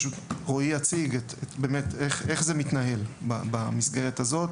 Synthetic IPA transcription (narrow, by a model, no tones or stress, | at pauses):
ʃutʁo̞ijat͡siɡetebeːmeteχeχze̞mit̪naɦe̞lbabamisɡe̞ʁethazo̞t